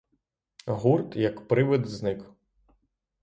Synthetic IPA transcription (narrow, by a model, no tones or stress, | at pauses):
ɦurt̪jɐkpɾɪʋɪd̪znɪk